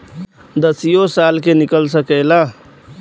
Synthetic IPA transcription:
d̪əsijosaːlkenɪkəlsəkəːla

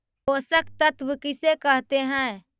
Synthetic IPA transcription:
oːsəkt̪ət̪ʋəkɪsekəɦt̪eɦɛ̃ː

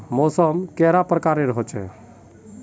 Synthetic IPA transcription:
mosəmkɛɾapɾəkaɾneɾəɦɔt͡ʃʰɛ̰

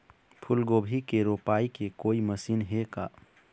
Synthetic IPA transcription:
pʰʊlɡoːbʱikeɾoːpaːikekoːiməsiːnɦekaː

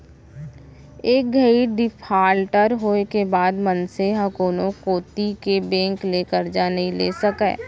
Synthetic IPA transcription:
eːk̚ɡʱəiɖɪpʰaːlʈəɾɦoːekebaːd̪mənseɦɐkoːnõkoːt̪ikebɛ̃ːŋkleːkəɾd͡ʒanɦĩleːsəkḛː

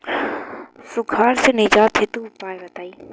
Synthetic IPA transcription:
sʊkʰaːɾsenɪd͡ʑaːt̪ʰet̪upaːjɾɐt̪aːiː

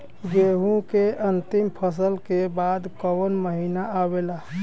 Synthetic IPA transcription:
ɡeɦũkeʔənt̪ɪmpʰəs̬əlkebad̪kəwənməɦinaawela

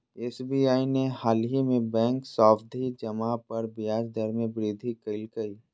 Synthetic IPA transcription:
eːsbiːaːinehaːlɦimẽbɛ̃ːŋksɔːfd̪ʱid͡ʒɐmapɐɾbɪjaːd͡ʒd̪ʱəɾmẽbɾid̪ʱikɪlkɐiː

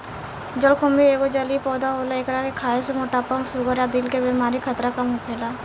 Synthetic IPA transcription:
d͡ʒəlkʰʊmieːɡod͡ʒəlipɔːd̪aɦoːlaekɾakekʰaːesemoːʈapɐmsʊɡəɾjaːd̪ɪlkebiːmaːɾikʰət̪ɾakɐmɦopʰeːlaː

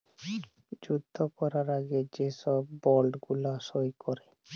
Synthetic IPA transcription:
d͡ʑud̪ʱːopɔɾaɾaɡed͡ʑeʃɔbːɔlɖɡulaʃojkʰɔɾe

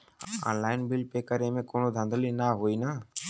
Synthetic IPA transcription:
a̰ːnlaːɪnbɪlpeːkəɾẽmẽːkoːnoːd̪ʱə̃nd̪ʱəlinaːɦoiːnaː

